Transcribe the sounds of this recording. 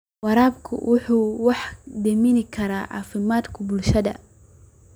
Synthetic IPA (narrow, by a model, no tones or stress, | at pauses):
wɑɾaːbkʰʊ̰wʔʊħuːwɑħd̪ɛmɪnɪkʰɐɾaːʕɑ̰ːfɪmaːd̪kʰʊbʊlʃɐd̪ɐ̰